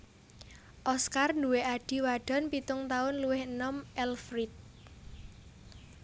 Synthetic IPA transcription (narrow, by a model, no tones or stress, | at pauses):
ʔɔskarnduweʔaɖ̥i̤waɖ̥ɔ̤npit̪ʊŋt̪aʊnluwɪhənɔmʔɛlfɾit̪̚